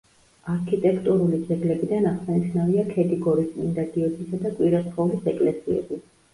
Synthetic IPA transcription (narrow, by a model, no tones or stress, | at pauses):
aɾkʰit̪ʼɛkʰt̪ʼuɾulid̪zɛɡlɛbid̪anaʁsaniʃnaviakʰɛd̪ʼiɡɔɾismind̪aɡ̪iɔd̪ʰisad̪akʼwiɾasχaɔulisɛkʼlɛsiɛ̰bi